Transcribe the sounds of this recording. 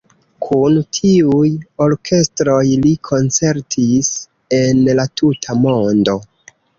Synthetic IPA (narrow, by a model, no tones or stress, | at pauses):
kʰuntʰiujo̞ɾkʰe̞stɾo̞jlikʰo̞nt͡se̞ɾtʰis | e̞nlatʰutʰamo̞ndo̞